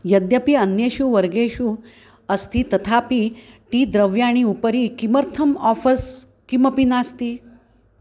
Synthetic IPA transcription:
jɐd̪jɐpiɐnjeːʃuʋɐɾɡeːʃu | ɐst̪ʰit̪ɐt̪ʰaːpi | ʈiːd̪ɾɐʋjaːɽ̃iupəɾikimɐɾt̪ʰɐmɔːfɐs | kimɐpinaːst̪i

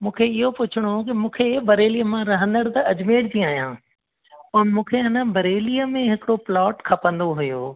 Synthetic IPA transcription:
mũːkʰeɪɦopʊt͡ɕʰɪɽ̃ok̬imũːkʰebɐɾeːliːəmãɾɐɦə̃nd̪əɽt̪ɐɐd͡ʑmeːɽd͡ʑĩːaːjã̰ː | ʊnmũːkʰeɦɪnəbɐɾeːliːəmẽɦɪkɽoplɔːʈkʰɐpə̃nd̪oɦʊjoː

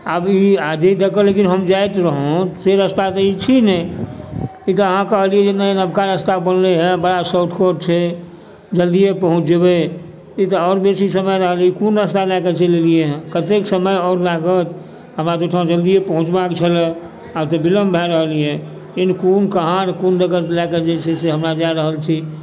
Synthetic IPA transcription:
abiad͡ʒeid̪ekəlekinɦəmd͡ʒajt̪ɾəɦõseɾəst̪aseit͡ʃʰinɛ | it̪ɔəɦãkəɦliɛd͡ʒenəenəbkaɾəst̪abənleɦɛ̃bəɽasoʈ̪ʰkoɖ̚t͡ʃʰɛ | d͡ʒəld̪ijepəɦũt͡ʃd͡ʒebe | it̪ɔɔːɾbesisəməjɾəɦəlikonɾəst̪alɛket͡ʃʰelelieɦɛ̃kət̪eksəməjɔːɾlaɡət̪ | ɦəmɾat̪oʈʰad͡ʒəld̪ijepəɦũt͡ʃbakt͡ʃʰəlɛ | at̪ɔbiləmbʱɛɾəɦlijɛ̃ | inkonkəɦaɾkondəɡəɾlɛked͡ʒet͡ʃʰeseɦəmɾad͡ʒaɾəɦəlt͡ʃʰi

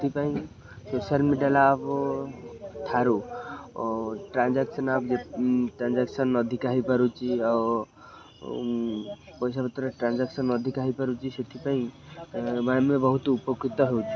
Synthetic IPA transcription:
et̪ʰipaĩ | sosalmiɖjalap | t̪ʰaɾu | ʈɾãnd͡ʒaksənapd͡ʒeʈɾãnd͡ʒaksənɔd̪ʱikaɦipəɾut͡ʃʰiɔ | pɔjsabət̪ɾeʈɾãnd͡ʒaksənɔd̪ʱikaɦipəɾut͡ʃʰiset̪ʰipaĩ | mamẽbɔɦut̪upjokːit̪ɔɦeut͡ʃʰi̥

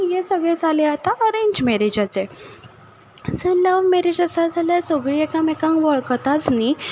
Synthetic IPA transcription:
ijesəɡɭẽd͡zʱaleat̪aəɾeɲd͡ʑmeɾed͡ʑat͡se | d͡zeləʋmeɾed͡ʑasad͡zʱaljasoɡɭiekamekãŋkʋəɭkt̪at͡sni

